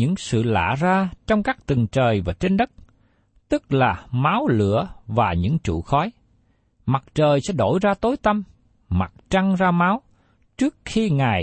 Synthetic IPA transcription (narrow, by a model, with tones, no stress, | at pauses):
ɲɨ̰˧˥ŋsɨ̰˧˨la̰ː˧˨zaː˧t͡ɕɔ˧wŋ͡mkaː˦˥k̚t̪ɨ˨˩ŋt͡ɕəː˨˩jvaː˨˩t͡ɕe˧nɗə˦˥k̚ | t̪ɨ˦˥k̚laː˨˩maː˨˦wlɨ̰˧˩əvaː˨˩ɲɨ̰˧˥ŋt͡ɕṵ˧˨xɔ˨˦j | ma˨˩t̚t͡ɕəː˨˩jsɛ̰˧˥ɗo˧˩jzaː˧t̪o˨˦jt̪ə˧m | ma˨˩t̚t͡ɕa˧ŋzaː˧maː˨˦w | t͡ɕɨ˦˥ək̚xi˧ŋaː˨˩j